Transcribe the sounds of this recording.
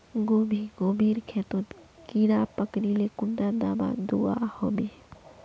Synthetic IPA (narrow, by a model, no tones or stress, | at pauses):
ɡoːbʱiɡoːmiːɾkʰɛt̪ot̪kiɾaːpəkɾilekʊnːad̪aːma̰d̪ua̰hobe